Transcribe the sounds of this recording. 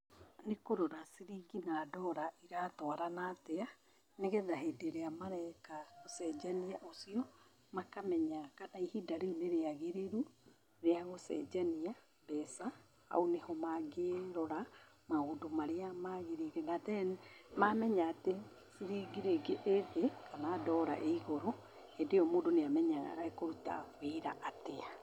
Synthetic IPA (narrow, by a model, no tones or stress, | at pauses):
nekoɾoɾasiɾiːɡinaːdɔɾaʔiɾaːtɔaɾanatea | neɣɛðaɦeːdeɾeamaɾɛkaɣosɛd͡ʒaniaʔosiɔ | makamɛɲakanaihidaɾineɾeaɣeɾeɾu | ɾeaɣosɛ̰d͡ʒania | bɛsa | a̰onehɔmaɡeɾɔɾa | maodomaɾeamaɣeɾeɾenatɛnmamɛɲaːte | siɾiɡiɾeɡeʔeðekanaːdɔːɾa̰ʔeiɣɔɾɔ | edeɔmoːdoneamɛɲaɣa̰ɾaekoɾuta̰βeɾa̰ʔatea